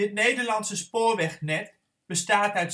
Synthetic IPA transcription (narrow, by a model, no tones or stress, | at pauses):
ɪt̚nejdəɹlɑntsəspoːɹʋɛχnɛt | b̥əstaːtœɥt